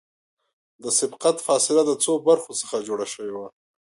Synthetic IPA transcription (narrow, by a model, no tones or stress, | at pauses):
d̪əsɪbqat̪fɑsɪlad̪ət͡sobaɾxot͡sə̥xad͡ʒoɽaʃəwewa